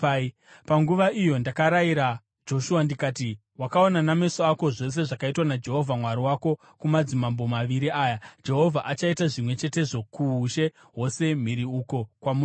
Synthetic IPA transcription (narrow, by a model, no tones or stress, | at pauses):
paŋɡuʋaijo̞ndakaɾaiɾa | d͡ʒo̞ʃuwandikaːti | wakao̞naname̞soako̞ʐo̞s̬e̞ʐakaitwanad͡ʒe̞ɦo̞vʱamwaɾiwako̞ | kumad͡zimambo̞maʋiɾiaːjad͡ʒe̞ɦo̞vʱaʔat͡ʃaitaʐimwe̞t͡ʃe̞te̞ʐo̞kuːʃe̞ | ɦo̞se̞m̤iɾiuko̞kwamu